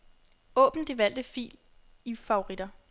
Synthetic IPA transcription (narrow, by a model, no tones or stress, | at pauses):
ɔ̰̽ːb̥n̩d̥eʋæl̰d̥əfḭːl | ifɑ̈o̝ʁid̥ɐ